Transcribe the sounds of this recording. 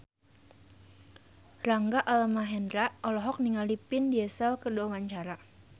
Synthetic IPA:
raŋɡaʔalmaɦɛndɾaʔɔlɔɦɔk̚niŋalipɪndiɛsɛlkədoawaɲt͡ʃaɾa

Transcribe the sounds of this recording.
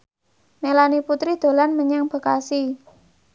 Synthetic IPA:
melaniput̪ɾid̪̥o̤lanməɲaŋb̥ə̤ka̰si

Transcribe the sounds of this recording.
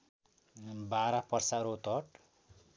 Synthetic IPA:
baɾapʌrsaɾot̪ɔʈ

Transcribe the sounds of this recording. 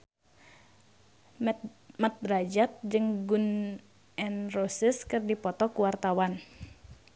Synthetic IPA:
mat̪̚rad͡ʒat̪̚d͡ʒɨŋɡun | ʔɛnrosiskɨrdipɔt̪ɔkuwart̪awan

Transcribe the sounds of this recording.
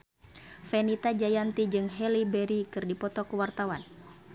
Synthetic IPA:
fɛnit̪ad͡ʒajant̪id͡ʒɨŋɦɛlibɛɾikɨrdipɔt̪ɔkəwart̪awan

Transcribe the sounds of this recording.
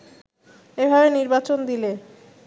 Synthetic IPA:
ebʱabeniɾbat͡ɕond̪ile

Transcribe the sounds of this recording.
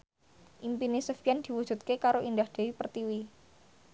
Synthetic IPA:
ʔimpinisəfijand̪̥i̤wu̥ʒ̥ṳt̪̚kekaɾoʔindahd̪̥e̤wipərt̪iwi

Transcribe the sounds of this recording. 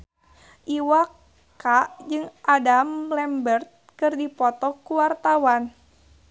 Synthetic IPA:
ʔiwa | kaʔd͡ʒɨŋʔadamlɛmbərt̪̚kɨrdipɔt̪ɔkuwart̪awan

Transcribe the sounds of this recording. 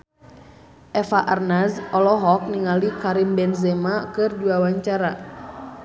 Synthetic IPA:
ʔɛfaʔarnasɔlɔɦɔk̚niŋalikaɾimbɛnzɛmakɨrd͡ʒuawaɲt͡ʃaɾa

